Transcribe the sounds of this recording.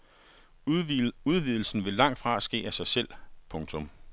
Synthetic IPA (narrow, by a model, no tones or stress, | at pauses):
uð̞ˠʋiðˠl̩sn̩ʋe̝lɑ̈ŋ̰d̥fʁɑ̈sɡ̥e̝̰ːæsɑ̈ɪsel̰pʰɔ̽ŋt͡sʰɔ̽m